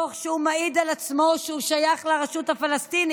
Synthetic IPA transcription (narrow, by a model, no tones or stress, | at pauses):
oχʃeumaid̪alat͡smo̞ʃeuʃajaχlaʁeʃuthafalast̪ini